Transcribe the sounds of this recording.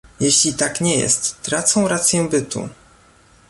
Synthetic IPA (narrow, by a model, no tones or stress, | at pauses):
jɛɕlʲit̪akɲɛjɛ̰st̪ːɾat̪sɔ̃w̃ɾat̪sʲjɛbɘt̪ṵ